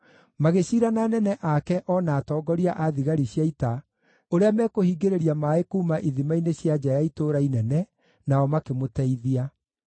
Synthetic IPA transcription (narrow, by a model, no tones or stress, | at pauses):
maɣeɕiːɾananɛnɛʔakɛʔɔnaːtɔːɡɔɾiaʔaðiɣaɾiɕjaita | oɾeamɛːkohiːɡeɾeɾiamaekuːmaʔiðimaineɕjad͡ʑajaitoːɾainɛnɛ | naɔmakemotɛiðia